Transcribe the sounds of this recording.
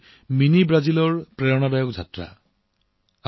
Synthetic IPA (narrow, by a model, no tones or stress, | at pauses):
minibɹazilɔɹpɹɛɹɔnabajɔk̚zʱatɹa̰